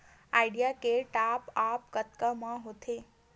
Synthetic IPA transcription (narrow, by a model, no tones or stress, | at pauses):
ajɖijakeʈapapkət̪kəmãɦot̪ʰe